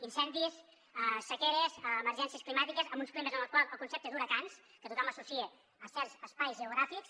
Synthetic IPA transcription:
insɛnd̪is | əsəkɛɾəzəːməɾʒɛnsiəsklimat̪ikəzəmbunsklimezənəlˠkwaləlˠkunsɛp̚t̪əðuɾəkans | kət̪ut̪ɔməsusie | əsɛɾzəspajzʒəuɣ̞ɾafiks

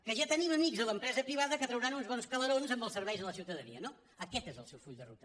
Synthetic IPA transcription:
kəʒat̪əniməmikzðələmpɾɛzəpɾiβ̞aðəkət̪ɾəwɾanunzβɔnskəlˠəɾonzəmbəlˠsəɾβɛjzðələsiwt̪əðənḭəno | əkɛt̪ezə̰lˠsɛwfuʎd̪ərṵt̪ə̥

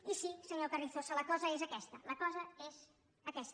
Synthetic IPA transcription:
isisəɲokəriθosələkɔzəezəkɛst̪ələkɔzəez | əkɛst̪

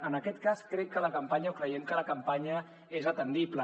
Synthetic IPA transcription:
ənəkɛt̪kaskɾɛkːələkəmpaɲəukɾəjɛmkələkəmpaɲə | ezət̪ənd̪iplə

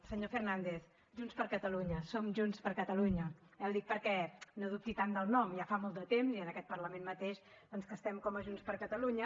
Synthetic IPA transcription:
səɲofeɾnand̪eθ | ʒunspəɾkət̪əluɲəsomʒunspəɾkət̪əluɲəɛwd̪ik̚pəɾkɛnoðup̚t̪it̪and̪əlˠnɔmjafamolˠt̪d̪ət̪emziənəkɛt̪̚pəɾləmenmət̪eʃ | d̥̪ɔnskəst̪ɛmkɔməʒunspəɾkət̪əluɲə

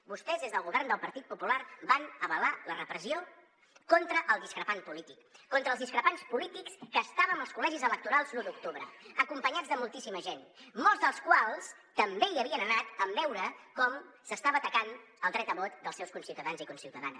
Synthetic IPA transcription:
bust̪ɛzðezðəlˠɣuβɛrnd̪əlˠpəɾt̪it̪̚pupulaɾbanəβəlalərəpɾəzio | kɔnt̪ɾəʔəlˠd̪iskɾəpanpulit̪ikːɔnt̪ɾəlzðiskɾəpanspulit̪ikskəːst̪aβəməlˠskulɛʒizələk̚t̪uɾalˠzlud̪uk̚t̪uβɾəəkumpəɲad͡zðəmulˠt̪isiməʒenmɔlˠzðəlˠskwalˠs | t̪əmbeiəβiənənat̪əmbɛwɾəkɔm | səst̪aβəːt̪əkan | əlˠd̪ɾɛt̪əβɔt̪d̪əlˠsɛwskunsiwt̪əðanzikunsiwt̪əða̰n

